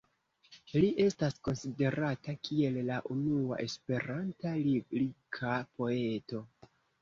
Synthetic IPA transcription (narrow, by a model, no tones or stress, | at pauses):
liʔe̞stasko̞nside̞ɾatakʰie̞llaʔunua̰ʔe̞spe̞ɾantallikʰapo̞e̞to̞